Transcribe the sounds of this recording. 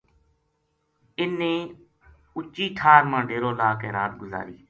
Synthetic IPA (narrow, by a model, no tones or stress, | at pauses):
ɪnːẽː | ʊt͡ʃiːʈʰaːɾmãːɖeːɾoːlaːkeːɾaːt̪̚ɡʊza̰ːɾiː